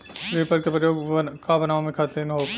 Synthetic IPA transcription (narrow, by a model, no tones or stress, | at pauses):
ɾeːpəɾkepɾɐjoːɡkabɐnaːʋomẽkʰaːt̪ẽnɦoː